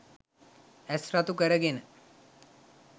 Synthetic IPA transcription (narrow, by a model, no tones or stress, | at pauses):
æsrat̪ukəɾəɡenə